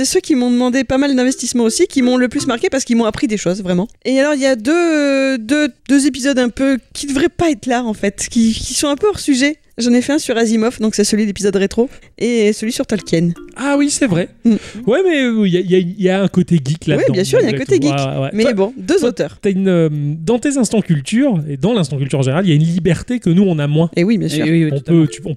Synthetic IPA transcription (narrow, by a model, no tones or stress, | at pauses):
sɛsøkʲimɔ̃d̪əmɑ̃d̪epamald̪ɛ̃vɛst̪ismɑ̃osikʲimɔ̃ləplysmaʁkʲepaʁsə̥kilmɔ̃apχid̪eʃozvʁɛmɑ̃ealɔʁiljad̪ød̪ød̪̥øzepizɔd̪ɛ̃pøkʲid̪əvʁɛpaɛt̪laɑ̃fɛt̪kʲikʲisɔ̃ɛ̃pøɔʁsyʒɛ | ʒɑ̃nefɛɛ̃syʁazimɔfd̪ɔ̃ksɛsəlɥid̪lepizɔd̪ʁet̪χo | esəlɥisyʁt̪ɔlkʲɛnawisɛvʁɛm̩wɛmɛljailjayniljaɛ̃kot̪eɡʲiklad̪wɛbjɛ̃syʁiljaɛ̃kott̪eɡiakwɛ̰mɛbɔ̃d̪øzot̪œːʁt̪yaynømd̪ɑ̃t̪ezɛ̃st̪ɑ̃kʲylt̪yːʁed̪ɑ̃lɛ̃st̪ɑ̃kʲylt̪yʁɑ̃ʒeneʁaliljaynlibɛʁt̪ekənuɔ̃namwɛ̃ʔewibjɛ̃sy̰ʁɔ̃øt̪y̥ɔ̃